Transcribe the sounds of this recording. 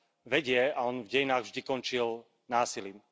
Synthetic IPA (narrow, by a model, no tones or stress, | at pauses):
ʋɛɟɪɛaɔnvɟɛjinaːɣvʒd̪ikɔnt͡ʃil | naːsiliːm